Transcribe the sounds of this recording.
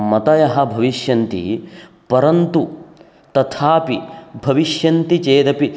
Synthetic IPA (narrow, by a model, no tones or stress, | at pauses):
mɐt̪ɐjɐɦɐbʱɐʋiʃjɐnt̪ḭ | pɐɾɐnt̪u | t̪ɐt̪ʰaːpibʱɐʋiʃjɐnt̪it͡ʃeːd̪ɐpi